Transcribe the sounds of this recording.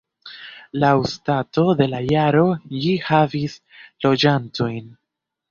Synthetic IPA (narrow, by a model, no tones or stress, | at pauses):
lawstato̞de̞lajaɾo̞lihavis | lo̞d͡ʒanto̞jn